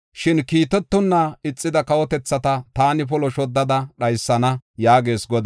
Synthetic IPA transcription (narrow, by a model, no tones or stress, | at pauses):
ʃɪnkiːt̪ɛt̪ːʊnːaɪt͡sʼːɪd̪ɐkɐwɔt̪ɛt͡sːɐt̪ɐt̪aːnɪpɔlɔʃɔd̪ːɐd̪ɐɗɐjsːɐnɐjaːɡe̞ːsɡɔd̪